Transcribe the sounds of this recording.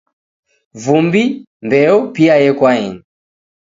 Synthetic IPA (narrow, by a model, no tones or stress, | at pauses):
vumbi | mbɛɔpiajɛkwaɛni